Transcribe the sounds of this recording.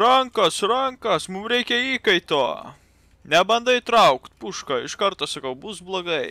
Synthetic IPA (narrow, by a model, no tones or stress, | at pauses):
ɾɐŋkɐsɾɐŋkɐsmʊmɾʲɛɪkʲɛiːkɐɪt̪oː | nʲɛbɐnd̪ɐɪt̪ɾɐʊkt̪puʃkɐɪʃkɐɾt̪oːsɐkɐʊbʊsblˠoːɡɐɪ